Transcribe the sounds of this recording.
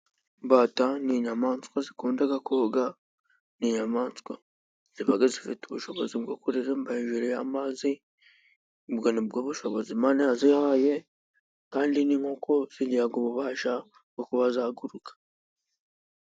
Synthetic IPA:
mbaːtaniɲamaːnskwazikuːndaɡakoɡa | niːɲamaːnt͡skwa̰ | z̥iβaɡazifituβuʃoβozibɡokoɾiɾembaiɲʒiɾeja̰mazi | bɡonibɡoβuʃoβozimanehazihaje | kaːndiniŋhokʰoz̥iliaɡoβuβaːʃa | bɡokuβazaːɡuɾukḁ

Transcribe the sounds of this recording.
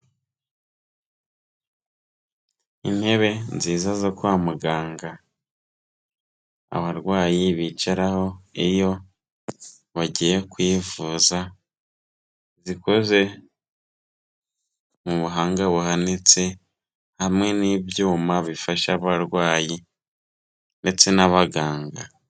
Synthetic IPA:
ḭn̥he̞βe̞nziːzazokuamuɡaːŋɡa | a̰βaɾɡwaːjiβit͡ʃaɾaho̞ijo̞ | βaɟije̞kwiːvuːza | zikoze̞ | muβuɦaːŋɡaβuhanet͡se̞ | hamŋe̞nibjuːmaβifaʃaβaɾwaːji | nde̞t͡se̞naβaɡaːŋɡa

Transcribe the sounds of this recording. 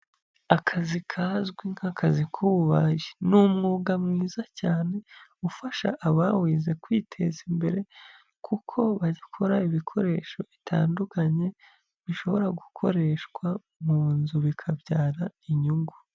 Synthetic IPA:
akʰazikʰaːzɡwiŋ̥hakazikʰuβuβajinumŋuːɡamŋiːzacaːne̞ufaʃa̰ʔːβawiːze̞kwiːtʰe̞zimbe̞ɾe̞ | kʰukʰo̞βaɟikʰoɾaiβikʰo̞ɾe̞ːʃo̞itʰa̰ːndukaɲe̞ | βiʃo̞βo̞ɾaɡukʰo̞̰ɾe̞ʃkwa | muːnzuβikʰavjɟaːɾaiɲuɡu

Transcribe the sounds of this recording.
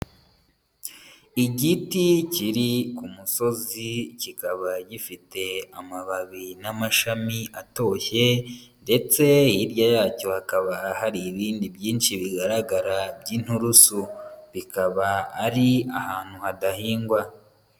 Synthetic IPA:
iɟiticiɾikumuso̞zicikaβaɟifite̞amaβaβinamaʃamiʔato̞çe̞ | nde̞t͡se̞jiɾɟajaːco̞hakaβahaɾiːβiːndibjiːnʃiβiɡaɾaɡaɾabɟiːn̥huɾusuβikaβaːɾiahaːn̥huhadahiːŋɡwa

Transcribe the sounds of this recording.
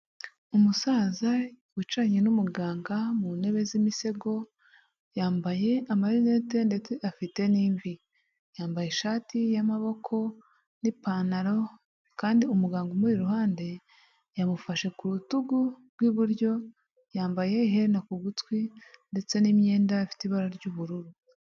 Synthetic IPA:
umusaːza | wit͡ʃaɲenumuɡaːŋɡamune̞βe̞zimise̞ɡo̞ | jaːmbaje̞amaɾinete̞nde̞t͡se̞ʔafite̞niːɱvi | jaːmbajeʃaːtijamaβo̞kʰo̞ | nipanaɾo̞ | kaːndiumuɡaːŋɡomuɾiɾuhaːnde̞ | jamufaʃe̞kuɾutuɡuɾɡwiβuɾɟo̞ | jaːmbaje̞iɦeɾnakuɡutwinde̞t͡se̞nimɲe̞ːndaafi̥tiβaɾaɾɟuːβuɾuɾu

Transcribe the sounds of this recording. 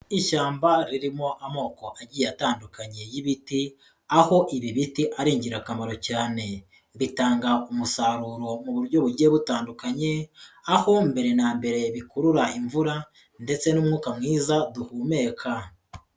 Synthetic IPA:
iʃaːmbaɾiɾimo̞ʔamo̞ːko̞ʔaɟiːataːndukaɲe̞jiβiti | aho̞ʔiβiβitiʔaɾiːɲɟiɾakamaɾo̞caːne̞ | βitaːŋɡaumusaɾuːɾo̞muβuɾɟo̞βuɾɟe̞βutaːndukaɲe̞aho̞mbe̞ɾe̞naːmbe̞ɾe̞βikuɾuɾaʔiɱvuɾa | nde̞t͡se̞numŋuːkamŋiːzaduhuːme̞ːkʰa

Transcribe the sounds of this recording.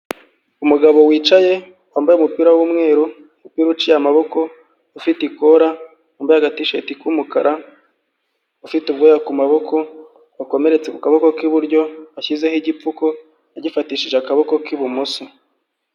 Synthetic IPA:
umuɡaβo̞wiːt͡ʃaje̞ | waːmbajeumupiːɾawumŋe̞ːɾo | mupiːɾut͡ʃijamaβo̞ko̞ | ufitikoɾa | aːmbajaɡatiʃetikumukaɾa | ufitub̚ɡojakumaβo̞kʰo̞ | ako̞me̞ɾe̞t͡se̞kukaβo̞ko̞kiβuɾɟo̞açize̞hiɟip͡fuko̞ | aɟifatiːʃiʒeakaβo̞ko̞kiβumuso

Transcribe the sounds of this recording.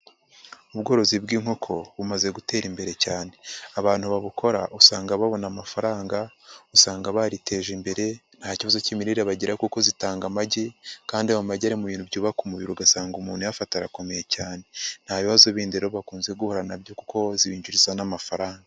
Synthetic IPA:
uβɡo̞ːɾo̞zibɡiːŋ̥ho̞kʰo̞βumaze̞ɡute̞ːɾimbe̞ɾe̞caːne̞aβaːn̥huβaβuko̞ɾaʔusaːŋɡaβaβo̞namafaɾaːŋɡa | usaːŋɡaβaɾite̞ːʒimbe̞ɾe̞n̥haːciβazo̞cimiɾiɾeβaɟiɾakuko̞zitaːŋɡamaɟekaːndiamumaɟaɾimuβiːnhubɟuːβakumuβiɾuɡasaːŋɡumuːn̥hujafataɾako̞me̞je̞caːne̞n̥haβiβazoβiːndeɾoβakuːnze̞ɡuhoɾanabjo̞kuko̞ziβiːɲɟuɾizanamafaɾaːŋɡa

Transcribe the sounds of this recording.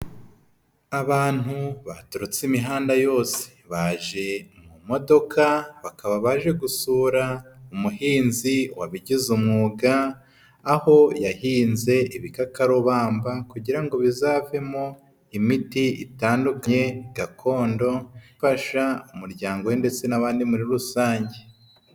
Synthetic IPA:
aβaːn̥huβatuɾut͡simiɦaːndajo̞ːse̥βaːʒe̞mumo̞do̞kʰaβakaβaβaʒe̞ɡusuːɾaumuhiːnziwaβiɟizumŋuːɡaː | ho̞jahiːnze̞iβikakaɾoβaːmbakuɟiɾaŋɡo̞βizaːve̞mo̞ | imitiḭtaːndukaɲe̞ɡ̥akʰo̞ːndo̞faʃaumuɾɟaːŋɡo̞wende̞t͡se̞naβaːndimuɾiɾusaːɲɟe̞

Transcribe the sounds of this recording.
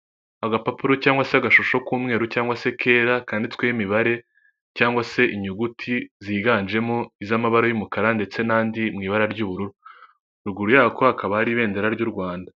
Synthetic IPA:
aɡapapuɾo̞caːŋɡwaseaɡaʃuʃo̞kuːmŋe̞ːɾucaːŋɡwase̞kʰe̞ːɾakaːndit͡skwejimiβaɾe̞ | caːŋɡwase̞ʔiɲuɡutʰiziɡaːnd͡ʒe̞moizamaβaɾojumukaɾande̞t͡se̞naːndimŋiːβaɾaɾɟuːβuɾuɾu | ɾuɡuɾujaːko̞hakaβahaɾiβe̞ːndeɾaɾɟuɾɡwaːnda

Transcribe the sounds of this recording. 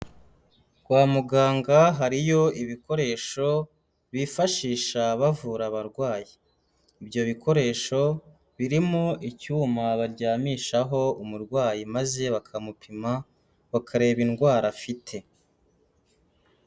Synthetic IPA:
ɡ̥waːmuɡaːŋɡaɦaɾijo̞iβiko̞ɾe̞ːʃo̞ | βifaʃiːʃaβavuɾaβaɾɡwaːjiː | bjo̞βikʰo̞ɾe̞ːʃo̞ | βiɾimoʔicuːmaβaɾɟaːmiːʃaɦo̞umuɾɡwaːjimaze̞βakʰamupʰima | βakʰaɾe̞ːβinɡwaːɾafitʰe̞

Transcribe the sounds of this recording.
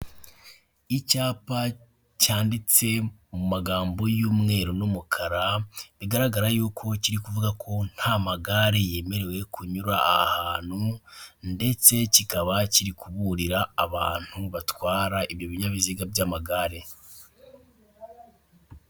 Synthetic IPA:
icaːpa | caːndit͡se̞mumaɡaːmbo̞juːmŋe̞ːɾonumukʰaɾaβiɡaɾaɡaɾajuːkʰo̞ciɾikuvuɡakʰo̞n̥hamaɡaɾeje̞ːme̞ɾe̞we̞kuɲuɾaa̰haːn̥hunde̞t͡se̞cikaβaciɾikuβuɾiɾaːβa̰ːn̥huβatwaːɾaʔiβjoβiɲaβiziɡabɟamaɡaːɾe̞

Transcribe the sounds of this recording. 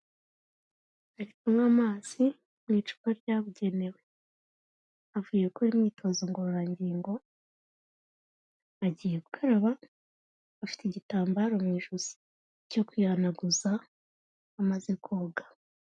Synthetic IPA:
aɾikumŋamaːz̥i | mŋiːt͡ʃu̥kaɾɟaβuɟe̞ne̞we̞ | avujekoɾimɲiːtʰo̞zoŋɡoɾɾaɲɟiːŋɡo̞ | aɟiːjeβukʰaɾaβa | afi̥teɟitaːmbaɾo̞mŋiːʒuz̥i̥ | co̞kwianaɡuzaː | maze̞kuːɡḁ

